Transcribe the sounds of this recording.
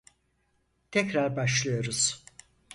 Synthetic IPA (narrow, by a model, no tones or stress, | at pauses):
t̪ʰɛcɾaɾbaʃlˠɯjoɾuz̥